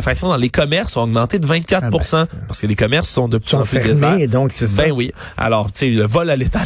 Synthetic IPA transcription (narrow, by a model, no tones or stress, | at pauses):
fχaksjɔ̃d̪ɑ̃lekɔmɛʁsːɔ̃ɔɡmɑ̃t̪ed̪əvɛ̃t̪̚kʲat̪̚puʁsɑ̃paʁ̥sə̥kəlekɔmɛʁsːɔ̃d̪əppyd̪ed̪ɔ̃ksbɛ̃wi | a̰lɔːʁt̪seləvɔlalet̪a